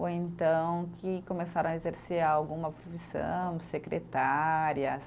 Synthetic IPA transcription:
oẽnt̪ɐ̃w̃kɪkomesaɾɐ̃w̃ɐezeɾseɾawɡũmɐpɾofisɐ̰̃w̃sekɾḛt̪aɾiɐs

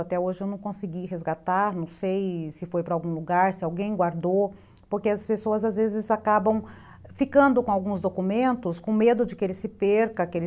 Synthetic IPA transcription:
at̪ɛoʒɪewnɐ̃w̃kõsɪɡiɦezɡat̪aɾnɐ̃w̃sejsɪfojpɾɐawɡũluɡaɾsɪawɡẽj̃ɡwaɾd̪ow | poɾkeɐspesoɐzazvezɪzakabɐ̃w̃ | fikɐ̃nd̪ʊkõawɡũzd̪okumẽnt̪ʊskõmed̪ʊd͡ʒɪkɪelɪsɪpeɾkɐkɪel

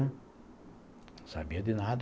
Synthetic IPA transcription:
sa̰bed̪inad̪

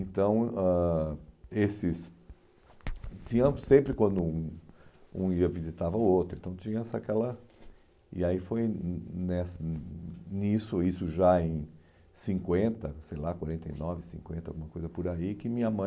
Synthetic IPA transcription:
ẽnt̪ɐ̃w̃a | esɪs | t͡ʃ̪ĩɲɐ̃sẽmpɾɪkwɐ̃nd̪ʊũ | ũiɐvizit̪avɐʊowt̪ɾʊẽt̪ɐ̃w̃t̪t͡ʃĩɲɐɛsɐakɛlɐ | ɪ̰aifojnɛsɐnisʊisʊʒaẽj̃ | sĩŋkwẽnt̪ɐsejlakwaɾẽnt̪ḛjnɔvɪsĩŋkwẽnt̪ɐa̰wɡumɐkojzɐpʊɾaikɪmĩɲɐmɐ̃

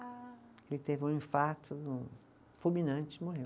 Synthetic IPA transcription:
elɪt̪evũĩfaɾt̪ʰʊd̪ũ | fumĩnɐ̃nt͡ʃɪmoɦe

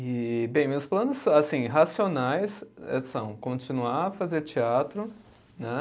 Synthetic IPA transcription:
ɪbẽj̃mewsplɐ̃nʊsasĩɦasionajsɛ̰sɐ̃w̃kõt͡ʃĩnuaɐfazeɾt͡ʃiat̪ɾʊ | nɛ

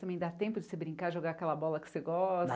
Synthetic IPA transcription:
t̪ɐ̃mẽj̃d̪at̪ẽpʊd͡ʒɪsebɾĩŋkaʒoɡaɐkɛlɐbɔlɐkɪ̥seɡɔs

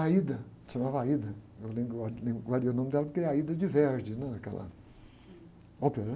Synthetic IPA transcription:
aid̪ɐ | ʃɐmavɐaid̪ɐewlẽbɾalẽbɾɡwaɾiɐunõmɪd̪ɛlɐpoɾkeɛaid̪ɐd͡ʒɪvɛɾd͡ʒɪnɛ̃ɐkɛ̰lɐ̰ | opeɾɐ

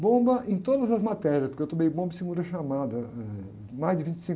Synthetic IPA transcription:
bõbɐʔẽj̃t̪od̪ɐzɐzmat̪ɛɾjiɐspoɾkewt̪õmejbõbɐsɪɡũnd̪ɐʃamad̪ɐɛ | majzd͡ʒɪvĩnt͡ʃɪ̥sĩŋ

